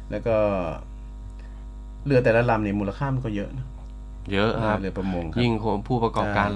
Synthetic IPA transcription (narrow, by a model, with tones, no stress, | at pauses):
lɛː˦˥wkɔː˥˩ | lɯ˧ət̪ɛː˨˩la˦˥la˧˩mni˧˩muː˧˩la˧kʰaː˥˩ma˧nkɔː˥˩jɤ˦˥ʔnɔ˦˥ | jɤ˦˥ʔʰa˧˦˥lɯ˧˩ɐpɾa˧˩mo˧ŋkʰji˥˩ŋkʰo˧˦npʰuː˥˩pa˧kɔː˨˩pkaː˧